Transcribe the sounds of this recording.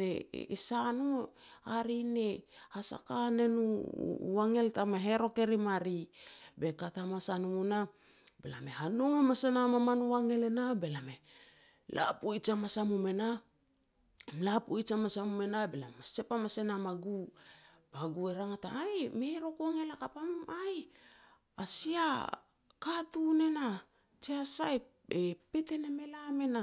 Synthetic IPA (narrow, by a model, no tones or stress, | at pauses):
ḛisanuaɾinehasa̰kane̞nṵwaŋe̞ltamaɦe̞ɾo̞ke̞ɾimaɾibe̞katamasanumuna | bela̰me̞hanoŋamasenamamanuwaŋe̞lenabe̞lame | lʔa̰puit͡ʃamasamume̞na | mlapujt͡ʃamasamume̞nabela̰mase̞pamase̞namaɡu | b̥aɡue̞ɾaŋataajme̞ɾo̞koaŋe̞lakapamaj | asia | katune̞na | t͡ʃeasae | epe̞te̞neme̞lame̞na